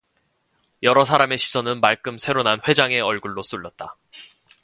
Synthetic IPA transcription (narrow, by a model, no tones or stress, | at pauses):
jʌɾʌsʰaɾame̞ɕʰi̥sʰʌnɯnmaɭk͈ɯmsʰe̞ɾonanɸwe̞d͡ʑaŋe̞ʌɭɡuɭːos͈uɭːʌt̚t͈a